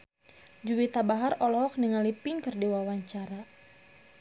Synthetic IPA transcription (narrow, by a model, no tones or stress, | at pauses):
d͡ʒuwit̪abaɦarɔlɔɔk̚niŋalipiŋkɨrdiwawaɲt͡ʃaɾa